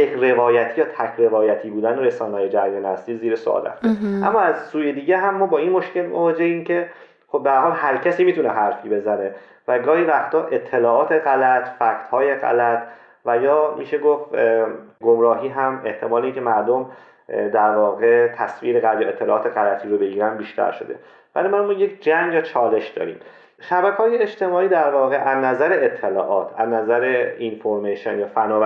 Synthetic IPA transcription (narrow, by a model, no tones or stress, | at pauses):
ere̞vɒːjæt̪ʰiːjɒːt̪ʰæcʰɾe̞vɒːjæt̪ʰiːbuːd̪æneɾesɒːnehɒːje̞d͡ʒæɾjɒnæst̪iːziːɾeso̰ɒ̰ːlæ̰feʔæmːɒːæzsuːjed̪iːɟeɦæmːɒːbɒːinmo̞ʃce̞lmovɒːd͡ʒehiːncʰe̞ | χo̞b̚beæɾhɒːlhæɾcʰæsiːmiːt̪ʰuneɦæɾfiːbe̞zæne̞ | væɡɒːhiːɾæft̪ɒːɾʔe̞t̪ʰːe̞lɒːɒːt̪ʰe̞ɣælæt̪ʰfækt̪hɒːje̞ɣæ̰læt̪ʰ | væjɒːmiːʃe̞ɡof | ɡo̞mɾɒːɦiːɦæme̞ht̪ʰe̞mɒːleiːŋkʲʰe̞mæɾd̪om | d̪æɾvɒːɣe̞t̪ʰæsviːɾeɣæt̪jɒːet̪ʰːe̞lɒːt̪ʰeɣælæt̪ʰiːɾobe̞ɡiːɾænbiːʃt̪ʰæ̰ɾʃo̞d̪e̞̰ | væ̰limænmɒːjecʰd͡ʒæŋjɒːt͡ʃʰɒːle̞ʃd̪̥ɒ̰ːɾḭːm | ʃæbækʰɒːjeet͡ʃt̪e̞mɒːiːd̪æɾvɒːɣeʔæznæzæɾeet̪ʰːelɒ̰ːʔɒːt̪ʰæ̰znæzæɾeinfoɾmeʃonjɒːfænɒː